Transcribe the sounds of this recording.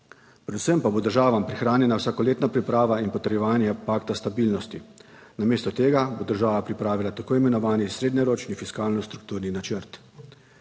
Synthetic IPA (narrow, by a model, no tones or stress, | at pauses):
pɾɛd̪usəmpabod̪əɾʒaːʋampɾixɾaːnjɛnawsaːkɔleːt̪napɾipɾaːʋainpɔt̪əɾjɛʋaːnjɛpaːkt̪ast̪abilnɔst̪i | nameːst̪ɔt̪eːɡabod̪əɾʒaːʋapɾipɾaːʋilat̪akoːimɛnɔʋaːnisɾeːd̪ɲɛɾoːt͡ʃnifiskaːlnɔst̪ɾuk̚t̪uːɾninat͡ʃəɾt̪